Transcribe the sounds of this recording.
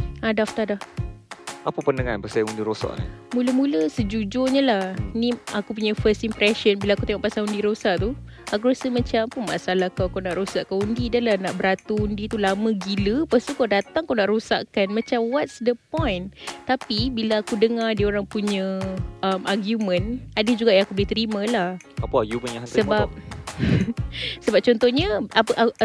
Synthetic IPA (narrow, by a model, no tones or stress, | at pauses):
adaft̪adah | ʔapapənəŋanpəsajãundiɾosa̰ʔna̰muləmuləsəd͡ʒud͡ʒoɲəlahnĩakupuɲafəst̪impɾɛʃənbilaːkut̪eŋɔʔpasaŋundiɾosaʔt̪u | akuɾosamãt͡ʃampunma̰ʔsalahkawakawnaʔɾosaʔkaundidəlahnaʔbəɾat̪uundit̪ulamə̃ɡiləpast̪ukawdat̪aŋakawnaʔɾosa̰ʔkanmãt͡ʃamwatsdəpɔ̃jnt̪apibilaakudəŋardioɾaŋpuɲãəmaɡjumə̃nadəd͡ʒuɡaʔjaŋakubəliht̪əɾimãlah | apəaɡjuməãhsəbbap̚ | səbap̚t͡ʃɔnt̪ɔhɲəaəʔ